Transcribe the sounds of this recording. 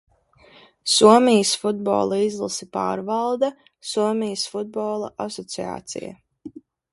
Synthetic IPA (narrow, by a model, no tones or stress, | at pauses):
suɔmijəsfud̪̚bɔ̰ːlˠaizlˠa̰sipa̰ːɾvɑlˠd̪a | suɔmijəsfud̪̚bɔːlˠaʔasɔt̪sia̰ːt̪sḭja̰